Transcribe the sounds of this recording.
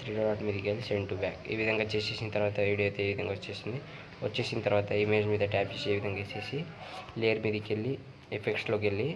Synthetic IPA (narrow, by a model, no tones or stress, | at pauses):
t̪ʰɾiːɖoɾaːʈmed̪ikelseɳʈuba̰ːkḛːʋid̪ɐŋɡɐt͡ʃeseːsint̪ɐɾʋaːt̪ɐʋiːɽijot̪eeːʋid̪ɐŋɡɐot͡ʃːesind̪i | ot͡ʃːt͡ʃːesinit̪ɐɾʋaːt̪ɐimeld͡ʒmiːd̪ɐʈaːpd͡ʒesieːʋid̪ɐŋɡɐt͡ʃeːsileɐɾmid̪ikelːi | epʰeksloɡelːi